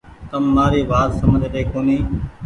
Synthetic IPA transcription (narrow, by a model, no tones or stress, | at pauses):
t̪əmːaːɾiːʋaːt̪səməd̪ʱt̪eːkoːniː